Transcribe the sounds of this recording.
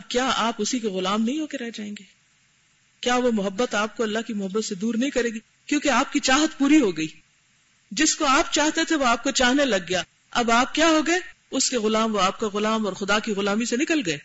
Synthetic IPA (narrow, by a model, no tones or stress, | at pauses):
ɐb̚kjaːʔaːpʊsikeɣʊlaːmnɐɦĩɦoːkeɾɛɦd͡ʒaːẽːŋɡeː | kjaːʋomʊɦəbːət̪aːp̚koɐlːaɦkimʊɦəbːət̪sed̪uːɾnɐɦĩkɐɾeːɡi | kjõːkeaːp̚kit͡ʃaːɦət̪puːɾiɦoɡɐiː | d͡ʒɪskoaːp̚t͡ʃaːɦt̪et̪ʰeʋoaːp̚kot͡ʃaːɦnelɐɡːɐjaː | ɐbaːp̚kjaːɦoɡɐe | ʊskeɣʊlaːmʋoaːp̚kaɣʊlaːmɔːɾxʊd̪akiɣʊlaːmisenɪkəlɡɐeː